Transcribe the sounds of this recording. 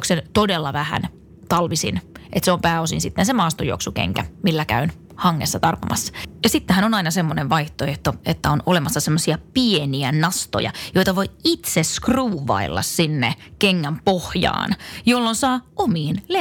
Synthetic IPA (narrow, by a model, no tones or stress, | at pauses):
ksent̪odelːɑʋæhæ̰n | t̪ɑlʋisḭnʔet̪seompæːosḭnsit̪ːensemɑːst̪ojo̰ksukḛŋkæmilːækæ̰yn | hɑŋːesːɑt̪ɑrpɑmʔɑ̰sːɑ̥jɑsit̪ːehænonɑinɑsemːoneʋʋɑiht̪oeht̪oet̪ːæonolemɑsːɑsemːosiɑpieniænɑst̪o̰jɑ̰jo̞jt̪ɑʋoiit̪seskruːʋɑ̰ilːɑ̰ssinːḛkeŋːæmpohjɑ̰ːnjolːonsɑːomiːnle